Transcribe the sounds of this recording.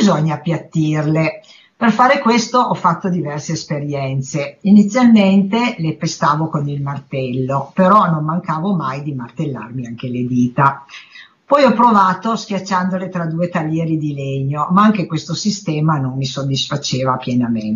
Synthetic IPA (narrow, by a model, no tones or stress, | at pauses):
zoɲːapjat̪ːirle | perfaːɾekwest̪oʔɔfːat̪ːod̪ivɛrseːspeɾjɛnt̪seinit̪sːjalment̪elepest̪aːvokonilmart̪ɛlːopeɾɔnommaŋkaːvomajd̪imart̪elːa̰rmiaŋk̟eled̪iːt̪a | pɔjɔpːɾovaːt̪oskʲjat͡ʃːand̪olet̪ɾad̪uːet̪alːjɛːɾid̪ileɲːomaaŋk̟ekwest̪osist̪ɛːmanomːisod̪ːisfat͡ʃeːvapjɛnamen